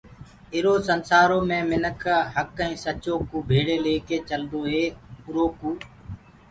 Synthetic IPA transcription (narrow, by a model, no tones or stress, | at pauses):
ɪɾoːsənsaːɾoːmẽːmɪnəkʰɦəkːəĩːsət͡ʃoːkuːbʱeːɽeːleːkeːt͡ʃəld̪oːɦeːʊɾoːkuː